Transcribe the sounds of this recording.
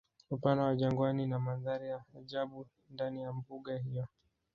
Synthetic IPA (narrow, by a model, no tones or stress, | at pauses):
upanawaʄaŋɡwaninamaðaɾijaːʄaɓu | ndanijambuɠahijɔ